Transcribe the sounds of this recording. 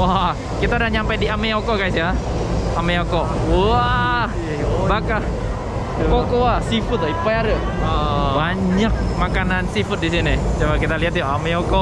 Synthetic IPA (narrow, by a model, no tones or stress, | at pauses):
wa | kit̪audahɲampajdiameokokaisja | ameoko | wa | baka | kokowasifʊt̪̚aipaaɾə | ɔbaɲak̚makanansifʊt̪̚disinɪt͡ʃawakit̪aliɦat̪joʔameokɔ